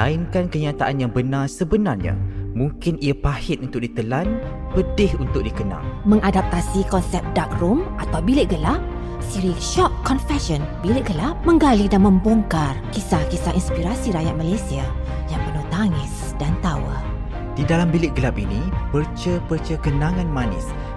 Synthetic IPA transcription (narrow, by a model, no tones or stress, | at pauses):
aɪnkankəɲat̪aʔanjaŋbənarsəbənarɲa̰mũŋkɪniapahɪt̪unt̪ʊk̚dit̪əlanpədɪhunt̪ʊk̚dikəna̰lmə̃ŋadap̚t̪asikɔnsɛp̚dak̚rʊmʔat̪awbilɪʔɡəlap | siɾiʃɔp̚kɔnfɛʃɔnbilɪʔɡəlaʔ̚mə̃ŋɡalidanmə̃mboŋkarkisahkisahʔinspiɾasiɾajat̪̚malajsia | jaŋpərnuht̪aŋɪs | d̥ant̪awa̰ | d̥idalambilɪʔ̚ɡəlapinipərt͡ʃəpərt͡ʃəkənãŋãnmanɪ̰s